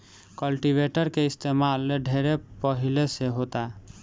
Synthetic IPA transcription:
kəlʈibeʈəɾkeɪst̪emalːeɖʱeɾepəɦileseɦot̪a

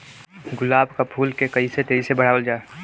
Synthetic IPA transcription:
ɡʊlaːbkapʰuːlkekəiset̪eisebəɽ̤aːwəld͡ʒaːe

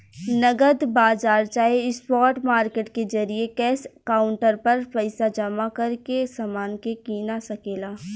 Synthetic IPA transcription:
nɐɡəd̪baːzaːɾt͡ʃaːeɪspɔːɾʈmaːɾkeːʈkezɐɾiekɛːskaːʊɳʈəɾpɐɾpəɪsad͡ʒɐmakɐɾkesamaːnkekiːnasɐkeːlaː

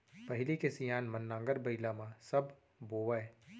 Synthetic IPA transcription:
pɐɦɪlikesijaːnmɐnːãːŋɡəɾbɐɪlamãsɐb | boːʋɛ

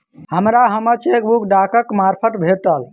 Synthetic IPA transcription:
ɦhəmɾaɦəməɾt͡ʃek̚bukɖakəkmaɾpʰəʈbʱeʈ̪əl

